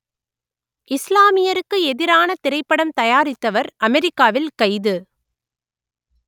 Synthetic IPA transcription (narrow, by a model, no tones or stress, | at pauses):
ʔɪslaːmɪjɐɾɯkːɯɛðɪɾaːnɐt̪ɪɾɐɪpːɐɽɐmt̪ɐjaːɾɪt̪ːɐʋɐɾʔɐmɛɾɪkːaːʋɪlkɐɪðɯ